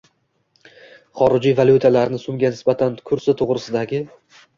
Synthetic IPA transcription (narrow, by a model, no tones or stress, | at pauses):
χɒɾɪd͡ʒijvalʲˠjut̪ʰalaɾnɪsʊmɡʲanɪsbat̪ʰankʰʊɾsɪt̪ʰoʁɾɪsɪd̪aɡʲɪ